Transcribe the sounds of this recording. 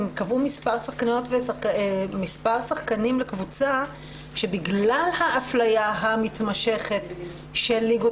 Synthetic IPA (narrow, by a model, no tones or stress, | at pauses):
mkavumispaʁsaχkanotvesmispaʁsaχkanimlekvut͡sa | ʃe̞biɡlalhaːflajaɦamitmaʃe̞χe̞t | ʃelːiɡo